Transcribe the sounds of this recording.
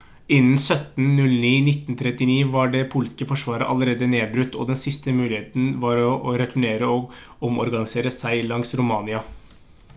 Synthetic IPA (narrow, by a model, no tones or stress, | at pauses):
ɪnn̩sœt̪nnʉlniːnɪt̪nt̪ʰɾɛt̪ːɪniːʋɑɖɛpʰuːlskəfɔʂʋɑːɾə̰ʔɑ̰ləɾeːd̪əneːbɾʉt̪ːɔ̰d̪ɛnsɪst̪əmʉːlɪheːt̪n̩ʋɑɾɔɾɛt̪ʰʊɳeːɾəɔɡ | ɔmɔ̰ɾɡɑnɪseːɾəsæɪlɑŋsɾʊmɑːnɪɑ